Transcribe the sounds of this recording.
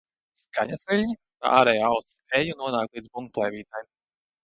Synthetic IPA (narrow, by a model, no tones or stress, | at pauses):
skʰaɲasvʲilʲɲit̪a̰ʔa̰ːɾɛjaaws | ɛjunuɔnaːk̪lˠiːd̪zbuŋk̚plˠɛjvʲiːt̪ajm